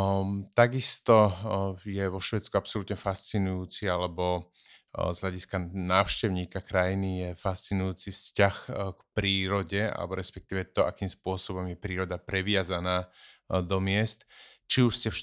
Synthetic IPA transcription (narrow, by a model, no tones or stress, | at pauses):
t̪aɡist̪ɔjɛʋɔʃʋɛːt͡skuapsɔlut̪ɲɛfast͡sinujuːt͡sialɛbɔ | zɦlʎaɟiskanaːʊʃcɛʊɲiːkakɾajinijɛfast͡sinujuːt͡sifscaxkpɾiːɾɔɟɛa̰lɛ̰bɔɾɛspɛk̚t̪iːʋɛt̪ɔʔa̰kiːmspʊɔsɔbɔmjɛpɾiːɾɔd̪apɾɛʋɪazanaːd̪ɔmɪɛst̪t͡ʃiuʃscɛ